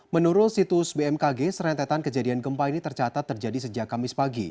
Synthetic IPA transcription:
mənuɾʊt̪sit̪usbeɛmkaɡesəɾɛnt̪ɛt̪ankəd͡ʒadianɡəmpainit̪ərt͡ʃat̪at̪ːərd͡ʒadisəd͡ʒakamɪspaɡḭ

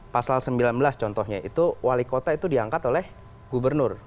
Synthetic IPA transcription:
pasalsəmbilanbəlast͡ʃɔnt̪ɔhɲaḭt̪uwʔalikot̪ait̪udiaŋkat̪olɛh | ɡubərnʊr

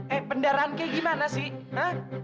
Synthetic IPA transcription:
ɛpəndaɾaankɛɡimanasɪhəh

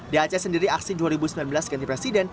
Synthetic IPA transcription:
diat͡ʃasəndiɾiak̚siduaɾibusəmilanbəlasɡanipɾesidɛn

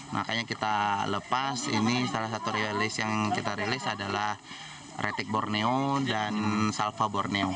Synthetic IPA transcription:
mʔa̰kaɲakit̪aləpasḭnisalasat̪uɾialɪsjaŋkit̪aɾilɪsadalah | ret̪ɪk̚borneodansalfaborneo

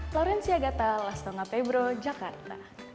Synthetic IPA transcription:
flɔɾɛnsiaɡat̪alast̪ɔŋapɛbɾod͡ʒakart̪a̰

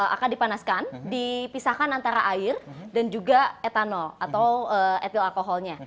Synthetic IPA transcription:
a̰kandipanaskandipisahkanant̪aɾaʔaɪrdand͡ʒuɡaet̪anɔat̪awəɛt̪ilalkoɦɔlɲa

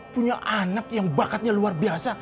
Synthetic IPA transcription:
puɲaʔanakjaŋbakat̪̚ɲaluarbiasa

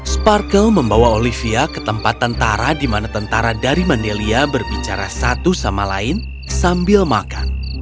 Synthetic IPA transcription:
sparkəlməmbawaolifiakə̥t̪əmpat̪ːənt̪aɾadimanat̪ənt̪aɾadaɾimandeliabərbit͡ʃaɾasat̪usamala̰ɪn | sambɪlmakan

